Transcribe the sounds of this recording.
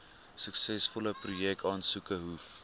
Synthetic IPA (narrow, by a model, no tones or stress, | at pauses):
səksɛsfɔləprujɛk̚tɑːnsukəɦuf